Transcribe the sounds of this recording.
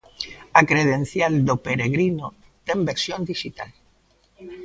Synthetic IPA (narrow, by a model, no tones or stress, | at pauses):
akɾeðen̟θjald̪opeɾeɣɾino | t̪embeɾsjõnd̪iʃit̪a̰l